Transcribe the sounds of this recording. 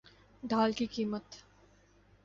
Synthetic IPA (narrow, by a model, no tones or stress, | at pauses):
d̪ʱaːlkikiːmət̪